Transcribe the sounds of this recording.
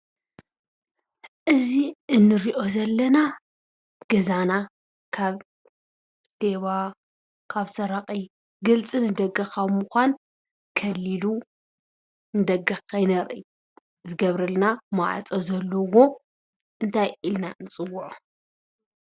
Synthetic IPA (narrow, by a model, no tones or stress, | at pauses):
ʔɨziɨnːɨɾiʔo̞zɐlːɐna | ɡ̥ɐzana | kʰaβ | d̪̥eβa | kʰaβsɐɾaqʼi | ɡɨlt͡sʼɨnɨd̪ɐɡɐxamuxʷan | kʰɐlːilu | nɨd̪ɐɡɐxkʰajnɐɾʔɨ | zɨɡɐβɾɐlnamaʕa̰t͡sʼozɐlːɐwo̞ | ʔɨnt̪ʰajʔilnaʔɨnt͡sʼɨwːʊʕu